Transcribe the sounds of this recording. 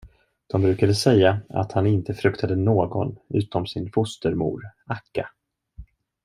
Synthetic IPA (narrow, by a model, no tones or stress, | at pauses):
d̪̥ɔmbɾʉ̟ːkad̪əsɛjːaa̰t̪hanɪnt̪əfɾɵkt̪ʰad̪ənoːɡɔ̰nʉ̟ːt̪ɔmsɪnfʊst̪əɾmṵːɾʔakːa